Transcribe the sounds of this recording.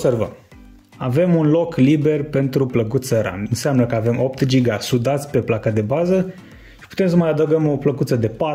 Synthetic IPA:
servə̰m | ave̞munlo̞klibe̞rpe̞nt̪ɾupləkut̪səɾa̰nɨnseamnəkəave̞mʔo̞pt̪d͡ʒiɡasud̪at̪sʲpe̞plakad̪e̞bazə | ʃi̥pu̥t̪e̞ms̬əmajad̪əɡəmo̞pləkut̪səd̪e̞pa

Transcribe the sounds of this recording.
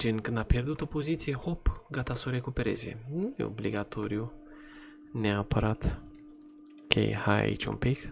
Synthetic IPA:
d͡ʒinkɨnd̪apjeɾd̪ut̪opozit̪sijehopɡat̪asoɾekupeɾḛzḛnujḛo̰blḭɡat̪ʰoɾiu | neapʰəɾat̪ | kʰḛjhaja̰ḭt͡ʃṵnpik

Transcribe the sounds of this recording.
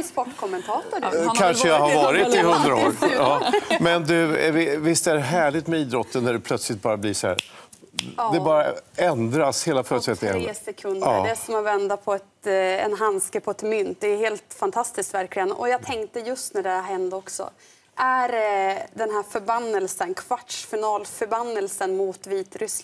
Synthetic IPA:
ɪspɔʈːkʰɔmːɛnt̪ʰɑːt̪ʊɖkʰanʂəjaɦaɾvɑːɾɪt̪ːɪhɵnd̪ɾao̰ːɾɑːmɛnd̪ɵvɪvɪst̪ɛæɾɦæːɭɪt̪mɛiːd̪ɾɔt̪ʰːənːæɖɛpʰlœt̪slɪt̪̚bɑːɾabliʂɔhæ̰ɾ | d̪ɛbɑːɾaɛnd̪ɾasheːlafœːɾət̪sɛt̪ːɪə̰nsɛkʰɵnd̪ɑːd̪ɛsɔmavɛnd̪apʰɔɛt̪ɛ̰nɦanskəpʰɔɛt̪mʏnt̪̚d̪ɛheːlt̪fant̪ʰast̪ɪskt̪væɾklɪɡənɔ̰jɑːɡt̪ʰɛŋkt̪əjɵst̪næɖɛɦɛnd̪ɔksɔ̰ | ʔæɾd̪ɛnɦæːɾfœɾbanːəlsənkʰvaʈʂfɪnɑːlfœɾbanːəlsənmʊt̪viːt̪ɾʏs

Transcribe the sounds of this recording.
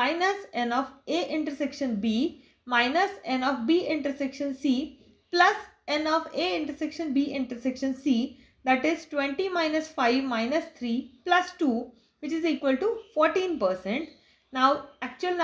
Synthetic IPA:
aɪnəsẽnɔːfeːʔɪ̃ɳʈəɾsɛkʃə̃nbiː | maɪnəsẽnɔːfbiːʔɪ̃ɳʈəɾsɛkʃə̃nsiː | plɐs | ẽnɔːfeːɪ̃ɳʈəɾsekʃə̃nbiːʔɪ̃ɳʈəɾsɛkʃə̃nsiː | d̪æʈɪzʈwʋẽɳʈimaɪnəsfaɪʋmaɪnəst̪ʰɾiːplɐsʈuː | ʋɪt͡ʃɪziːkʋəlʈufɔːɾʈĩːnpəːɾsɛ̃ɳʈ | naʊæk̚t͡ʃuəln

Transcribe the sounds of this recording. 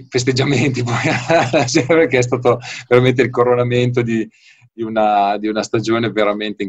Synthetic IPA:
fest̪ed͡ʒament̪ipɔjalad͡ʒɛpekeɛs̬t̪aːt̪oveɾament̪̬eilkoɾonament̪̬od̪i | d̪iunad̪iunast̪ad͡ʒoːneveɾament̪eiŋ

